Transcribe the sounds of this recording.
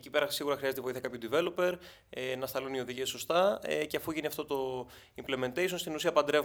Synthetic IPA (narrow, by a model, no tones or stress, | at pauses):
cipe̞ɾɐsiɣuɾɐxɾiɐze̞t̪eoiθiɐkɐpçod̪ive̞lo̞pe̞ɾ | enɐst̪ɐlunio̞ðiʝieso̞st̪ɐ̰ceɐfuʝiniɐft̪ot̪o̞ | impleme̞nt̪ejsonst̪inusiɐpɐnd̪ɾe̞v